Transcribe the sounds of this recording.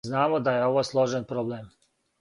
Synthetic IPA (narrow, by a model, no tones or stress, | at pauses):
znaːmod̪ajeo̞ʋoːslˠo̞ʒenpɾoblem